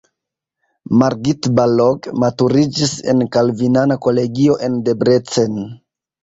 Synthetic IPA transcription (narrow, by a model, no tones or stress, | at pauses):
maɾɡitbaloɡmatuɾid͡ʒise̞̰nkalvinanako̞le̞ɡio̞ʔe̞nde̞bɾe̞t͡sen